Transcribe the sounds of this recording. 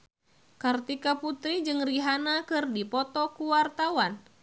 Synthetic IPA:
kart̪ikaput̪ɾid͡ʒɨŋriɦanakɨrdipɔt̪ɔkuwart̪awan

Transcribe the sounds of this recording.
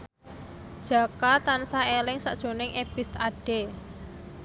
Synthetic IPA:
d̥ʒ̥a̤kat̪ansaelɪŋsa̰ʔd̥ʒ̥o̤nɪŋʔebist̪aɖ̥e

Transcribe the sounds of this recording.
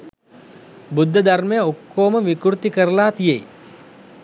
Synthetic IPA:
bud̪ʱːəd̪armejəokːoːməʋikuɾt̪ikəɾəlaːt̪ijḛj

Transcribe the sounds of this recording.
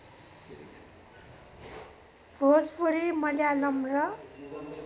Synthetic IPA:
bʱod͡zbuɾimʌljalʌmrʌ

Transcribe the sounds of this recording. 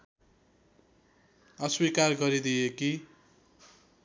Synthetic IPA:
ʌswikarɡʌɾid̪ijeki

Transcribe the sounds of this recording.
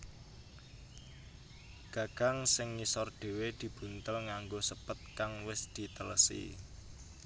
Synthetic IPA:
ɡ̥ä̤ɡ̥aŋsɪŋːisɔrd̥e̤wed̪̥i̤b̥ṳnt̪əlŋaŋɡosəpət̪̚kaŋwɪsd̪̥i̤t̪ələsḭ

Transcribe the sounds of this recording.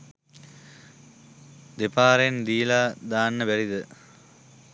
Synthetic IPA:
d̪epaːɾend̪iːlaːd̪aːnːɐʋeɾid̪ɨ

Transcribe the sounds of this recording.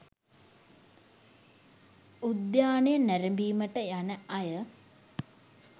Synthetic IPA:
ud̪jaːnejənæɾembiːməʈəjanəajə

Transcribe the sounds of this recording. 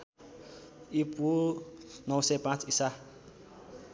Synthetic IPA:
ipunɔsɛpãtisa

